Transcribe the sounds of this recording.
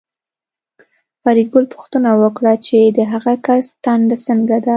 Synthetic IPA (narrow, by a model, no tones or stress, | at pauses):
faɾid̪̚ɡʊlpʊ̥xt̪ənawəkɽat͡ʃed̪əɦaɣakast̪aɳɖ̪asəŋɡad̪a